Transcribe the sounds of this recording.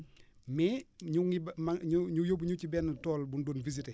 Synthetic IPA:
mɛːɲuŋibmaɲuɲujobɲucibɛnːtɔːlbundoːnvisitɛ

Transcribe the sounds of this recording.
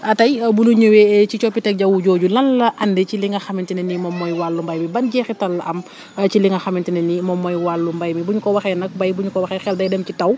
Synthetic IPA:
ɐtɐjbunuɲəwecit͡ʃɔpːitɛk̚ɟɐwuɟoːɟulɐnlɐʔɐndeciliŋɐxɐmintinɛnimɔmːɔjwalːumbɐjmibɐnɟɛːxitɐlːɐʔɐm | ciliŋɐxɐmintinɛnimɔmːɔjwalːumbɐjmibuɲukɔwɐxɛnɐk̚bɐjbuɲukɔwɐxɛxɛldɐjdɛmcitɐw

